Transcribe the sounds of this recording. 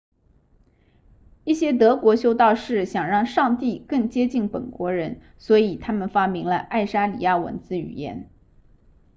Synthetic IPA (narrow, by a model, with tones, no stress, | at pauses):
i˥˩ɕjɛ˥t̪̬ɤ˧˥kwɔ˧˥ɕjo˥ʊt̪ɑ˥˧ʊʂɻ̩˥˩ɕjɑ˨˩ŋɻɑ˥˧ŋʂɑ˥˧ŋt̪i˥˧kɤ˥˩ŋt͡ɕjɛ˥t͡ɕi˥˩npə̰˨˩nkwɔ˧˥ɻə˧˥n | swɔ˧˥i˨˩t̪ʰa˥mə˨nfa˥mi˧˥ŋlə˧ʔa˥˩ɪʂa˥lḭ˨˩ja˥˩wə̰˧˥nt͡sɹ̩˥˩y̰˨˩jɛ̰˧˥n